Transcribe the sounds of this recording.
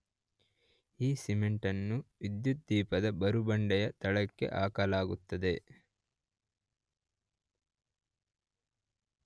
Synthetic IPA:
iːsimeɳʈɐnːuʋid̪jut̪̚d̪iːpɐd̪ɐbɐɾubɐɳɖɛjɐt̪ɐɭɐkːe̞̰ʔaːkɐlaːɡut̪ːɐd̪e̞

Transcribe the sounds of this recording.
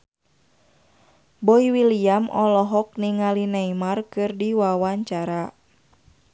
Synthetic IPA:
bɔiwiliamʔɔlɔɦɔk̚niŋalinaimarkɨrdiwawaɲt͡ʃaɾa

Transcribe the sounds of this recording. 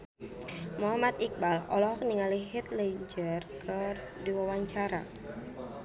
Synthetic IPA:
moɦamat̪ik̚balɔlɔɦɔkniŋaliɦit̪̚led͡ʒərkʰər | diwawaɲt͡ʃaɾa̰

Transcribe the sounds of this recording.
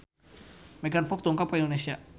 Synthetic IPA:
mɛɡanfɔk̚t̪uŋkap̚kaindonesia

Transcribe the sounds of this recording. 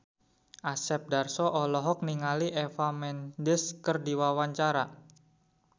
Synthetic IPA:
ʔasɛp̚darsɔʔɔlɔɦɔk̚niŋaliʔɛfamɛndɪskərdiwawaɲt͡ʃaɾa

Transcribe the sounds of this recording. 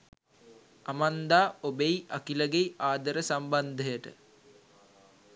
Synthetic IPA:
amand̪aːobəiʔakiləɡeiʔaːd̪əɾəsamband̪ʱəjəʈə̰

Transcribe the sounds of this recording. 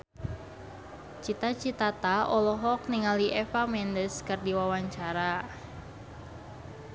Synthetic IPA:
t͡ʃit̪at͡ʃit̪at̪aɔlɔɦɔk̚niŋaliʔɛfamɛndəskɨrdiwawaɲt͡ʃaɾa

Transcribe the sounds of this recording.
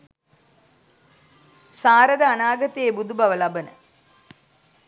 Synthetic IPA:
saːɾəd̪əanaːɡɐt̪ejebud̪ubaʋəlabənə̰

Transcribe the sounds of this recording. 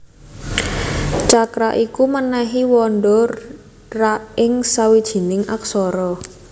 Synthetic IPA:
t͡ʃakɾaʔikumənɛɦiwɔnɖɔrː | aɪŋsawid̥ʒ̥i̤nɪŋaksɔɾɔ

